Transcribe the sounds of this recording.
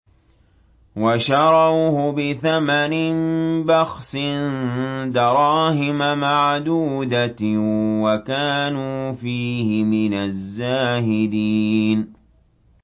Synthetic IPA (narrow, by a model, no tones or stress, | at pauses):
waʃɑɾˤɑwhʊbɪθamanɪnbɑxsɪnd̪ɑɾˤɑːhɪmamaʕd̪uːd̪a | wakaːnuːfiːhɪmɪnazːaːhɪd̪iːn